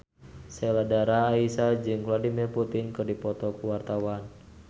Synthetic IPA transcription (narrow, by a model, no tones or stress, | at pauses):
sɛladaɾaːisad͡ʒɨŋfladimirput̪inkɨrdipɔt̪ɔkuwart̪awan